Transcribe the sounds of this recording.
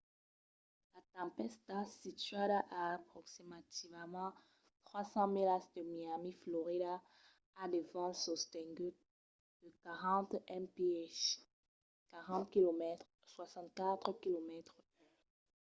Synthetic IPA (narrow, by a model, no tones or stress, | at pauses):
lat̪ɑ̃pɛst̪asit̪ɥadaʔapχɔksimat̪ivmɑ̃ | t̪χwasɑ̃milasd̪əmiamiflɔʁidaː | d̪evɑ̃sɔst̪ɛ̃ŋɡy | d̪̥əkaʁɑ̃t̪ɛnpeɛʃ | kaʁɑ̃t̪kilomɛt̪ | swasɑ̃t̪̚kat̪χkilomɛt̪χ